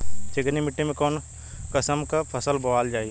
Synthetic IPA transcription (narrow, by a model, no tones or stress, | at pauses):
t͡ʃeɡənimɪʈːemẽkɔːn | kəsəmkapʰəsəlbɐʋaːld͡ʒaːi